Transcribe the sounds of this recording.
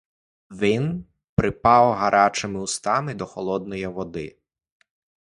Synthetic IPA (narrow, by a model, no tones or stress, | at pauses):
ʋin | pɾɪpɑwɦɐɾʔɑt͡ʃɪmɪust̪ɑmɪd̪ɔxɔlˠɔd̪̚nɔjiʋɔd̪ɪ̰